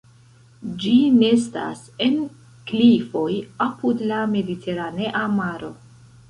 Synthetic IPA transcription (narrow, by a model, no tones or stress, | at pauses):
d͡ʒine̞sta̰s | e̞n | klifo̞japudlame̞ditʰe̞ɾane̞ʔamaɾo̞